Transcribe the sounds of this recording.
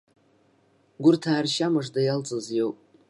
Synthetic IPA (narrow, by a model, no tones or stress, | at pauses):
ɡʷʊrtʰaːrʃamɨʐdajalt͡sʼɨzjowpʼ